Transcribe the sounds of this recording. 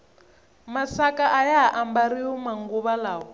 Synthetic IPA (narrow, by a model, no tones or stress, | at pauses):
masakaʔajaɦaʔambaɾiɔmaŋɡuβalaːɦɔ